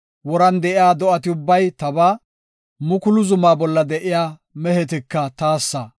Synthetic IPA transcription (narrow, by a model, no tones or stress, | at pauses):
wɔɾɐnd̪ɛʔɪjaːd̪ɔʔɐt̪ɪʊbːɐjt̪ɐbaː | mʊkʊlʊzʊmaːbɔlːɐd̪ɛʔɪjaː | mɛhɛt̪ɪkːɐt̪aːsːɐ